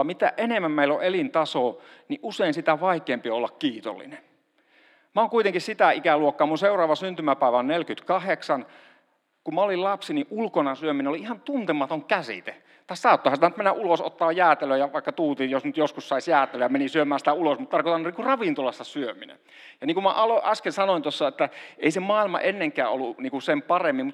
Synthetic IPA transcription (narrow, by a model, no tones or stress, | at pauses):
mit̪æ̰ʔʔenemːæmmeilːoʔelint̪ɑsoniʔʔuseˑinsit̪æʋɑikˑeːmpioolːɑkkiːt̪o̰lːḭne | mæoːŋkuit̪eŋkissit̪æikæluokːɑːmunseurˑɑːʋɑsynt̪ymæpæˑiʋæonnelkyt̪kɑheksɑn | kumæolillɑpsiniʔʔulkonɑsyøminenoliihɑnt̪unt̪emɑt̪oŋkæsḭt̪e | t̪ɑːssɑːt̪ːoˑhɑnit̪ænyt̪menːæʔuloso̰t̪ːɑːjjæːt̪eløjɑʋɑˑikːɑt̪uːt̪ijosnyt̪joskussɑisjæːt̪eløːjɑmenisyømæːnsit̪æulosmut̪t̪ɑrkot̪ɑnniːkurɑʋint̪olɑst̪ɑsyøminḛn | jɑniːŋkumæʔɑloʔɑskelsɑnoint̪osːɑet̪ːæʔḛisemɑːilmɑ̰ʔenːeŋkˑæ̰ːo̰lːuniːŋkusempɑremːimmut̪